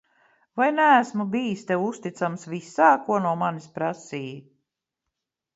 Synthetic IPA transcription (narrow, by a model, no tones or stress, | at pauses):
vajnææsmubijist̪ɛwust̪it̪samsvisaːkuɔnuɔmanispɾasiː